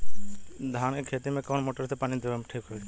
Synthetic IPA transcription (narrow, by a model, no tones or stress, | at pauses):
d̪ʱaːnekʰeːt̪imẽkɔnmoʈəɾt̪epanid̪ebemʈʰikɦɔ